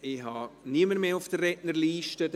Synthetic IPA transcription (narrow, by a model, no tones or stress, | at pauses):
ihɑniəməɾmeːʊfd̥ərɛdnəɾliːʃtə